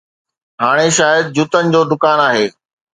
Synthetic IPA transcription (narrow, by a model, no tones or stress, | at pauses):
ɦaːɽ̃eʃaːjəd̪̚d͡ʑut̪ənɪ̆d͡ʑoːd̪ʊkaːnaːɦeː